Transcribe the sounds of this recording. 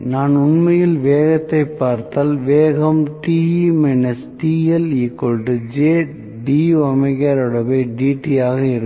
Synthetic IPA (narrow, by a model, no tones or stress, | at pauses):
naːnʊnmɐjɪlʋeːɣɐt̪ːɐɪpːaːɾt̪aːlʋeːɣɐmʈiːimɛnɐsʈiːɛliːkːɔlʈɯd͡ʒeː | ɖiɐmɐɪkːaːɾɔɽɐbɐɪɖiːʈijaːɣɐɪɾɯ